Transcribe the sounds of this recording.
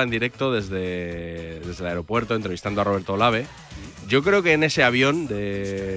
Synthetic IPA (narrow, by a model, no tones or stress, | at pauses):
aend̪iɾe̞k̚t̪o̞ðe̞zðe̞ | ðe̞zðe̞laeɾo̞pwe̞ɾt̪o̞ent̪ɾe̞ist̪andoaro̞β̞eɾt̪olaβ̞e̞ | ɟ͡ʝo̞kɾeokeːne̞seaβjo̞nd̪e̞